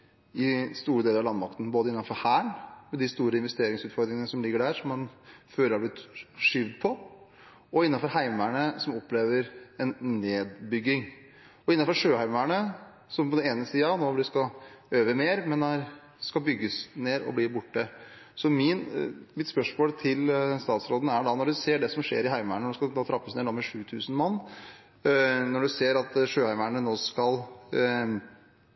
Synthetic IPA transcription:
ɪst̪uːɾəd̪eːləɾɑʋlɑnmɑk̚t̪ən̩boːd̪əɪnːɑnfɔɾhæːɳmɛd̪ɪst̪uːɾəɪnʋɛst̪eːɾɪŋsʉːt̪fɔɾd̪ɾɪŋənəsɔmlɪɡːəɖæɾʂɔmːɑnføːləɾɑɾblɪt̪ʂʏʋd̪pʰɔ | ɔɪnːɑnfɔɾɦæɪmæɳəsɔmɔpːleːʋəɾɛnːeːd̪bʏɡːɪŋ | ɔɪnːɑnfɔɾʂøːhæɪmæɳə | sɔmpɔd̪ɛneːnəsiːɑnoːb̪ɪskɑøːʋəmeːɾmɛnæɾ | skɑlbʏɡːəsneːɾɔ̰bliːbʊʈːəsɔmɪnmɪt̪spœʂmoːlt̪ʰɪlst̪ɑːt̪sɾoːd̪n̩æɖɑnɔɖʉseːɖɛsɔmʂḛːɾɪɦæɪmæɳənoːskɑt̪ʰɑːt̪ʰɾɑpːəsneːoːmɛʂʉːt̪ʰʉːsnmɑnː | nɔɖʉseːɾɑt̪ʂøːhæɪmæɳənoːskɑl

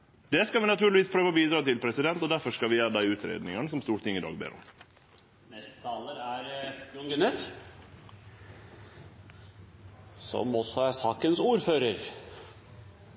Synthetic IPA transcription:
d̪ɛːskɑlʋɪnɑt̪ʰʉːɾɭɪʋiːspʰɾøːʋəobiːd̪ɾɑːt̪ɪlpʰɾɛsɪd̪ɛnt̪ɔd̪æɾfɔʂkɑʋɪjæːɾəd̪æɪʉːt̪ʰɾḛːd̪nɪŋɑnəsɔmst̪uːɾʈɪŋːɪd̪ɑ̰ːɡ̚bḛːɾɔ̰m | nɛst̪t̪ʰɑləɾæɾj̪ʊŋɡɛnes | sɔ̰mɔsːɔæɾsɑːkənsuːɾføːɾəɾ

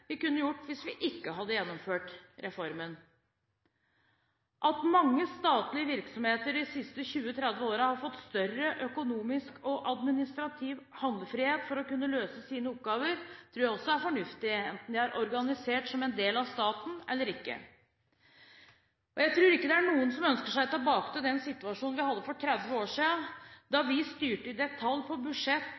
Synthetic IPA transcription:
ʋɪkʉnːəjʊʈːʋɪsʋɪʔɪkːəɦɑd̪ːəjɛnːɔmføːʈɾɛfɔɾmən | ʔɑt̪mɑŋːəst̪ɑːt̪lɪəʋɪɾksɔmheːt̪əɾɪsɪst̪əçʉːət̪ʰɾɛd̪ʋəoːɾəhɑɾfɔt̪ːst̪œrəʔœkʊnuːmɪskɔʔɑd̪mɪnɪst̪ɾɑt̪ʰiːʋhɑnd̪ləfɾɪheːt̪fɔɾɔkʉnːəløːsəsiːnəʊp̚ɡɑːʋəɾt̪ʰɾuːjæɪɔsːɔæɾfɔɳʉft̪ɪɛnt̪n̩d̪ɪæɾʔɔɾɡɑnɪseːʈsɔmɛnd̪eːlɑʋst̪ɑːt̪n̩ɛ̰lːəɾɪkːə̰ | ʔɔjæɪt̪ʰɾʉːɾɪkːəd̪ɛæɳuːənsɔmœnskəʂæɪt̪ʰːbɑːkt̪əd̪ɛnsɪt̪ːʉɑʂuːnnʋɪhɑd̪ːəfɔʈʰɾɛd̪ʋəoːʂiːənd̪ɑʋɪst̪yːʈəɪd̪ɛt̪ʰɑlpʰɔbʉʂɛt̪ː

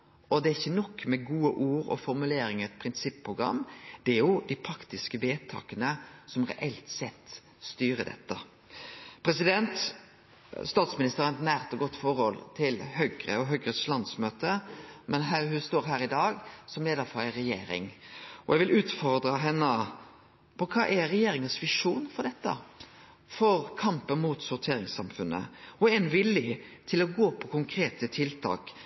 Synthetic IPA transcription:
ɔd̪ɛæɾɪçːənɔkːmɛɡuːəʔuːɾɔ̰fɔɾmʉleːɾɪŋəɛt̪̚pʰɾɪnsɪpːʰɾʊɡɾɑ̰mːd̪̥ɛæɾjʊd̪ɪpʰɾɑkt̪ɪskəʋeːt̪ʰɑ̰ːkənəsɔmɾɛ̰ʔɛlt̪sɛt̪ː | st̪yːɾəd̪ɛ̰t̪ːə | pʰɾɛsɪd̪ɛnt̪ | st̪ɑːt̪smɪnɪst̪əɾɑnt̪næːʁt̪ɔɡɔt̪ːfɔɾhɔlt̪ʰɪlhœɡɾə̰ɔɦœɡɾəslɑnd̪smøːt̪əmɛnɦæːhʉst̪oːɾɦæːɾɪd̪ɑːɡsɔmleːd̪əɾfɔɾæɪɾɛjḛːɾɪ̰ŋɔjæɛɡʋɪlʔʉːt̪fɔɾd̪ɾəɦɛnːə | pʰɔkʰɑːʔɛɾɛjeːɾɪŋəsʋɪʂuːnfɔɾd̪ɛt̪ːə̰ | fɔɾkʰɑmpənmut̪sʊɾt̪ʰeːɾɪŋsɑ̰mfʉnːə̰ɔɛnʋɪljət̪ʰɪlɔɡoːpʰɔkʰʊŋkʰɾeːt̪ət̪ʰɪlt̪ʰɑ̰ːk

